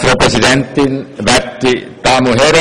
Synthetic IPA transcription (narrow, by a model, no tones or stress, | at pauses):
ropresident̪ːinʋæt̪ːit̪ɑmuher